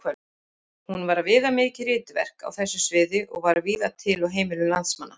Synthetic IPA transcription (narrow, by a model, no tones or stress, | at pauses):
kʰvɛ | hunvaɾvɪːðamɪːcɪrɪːt̪ɪvɛ̰r̥ka̰wθɛsːʏsvɪːðɪʔɔ̰ɣvaɾviːðat̪ʰɪlɔwɦeːjmɪlʏlant̪smanːa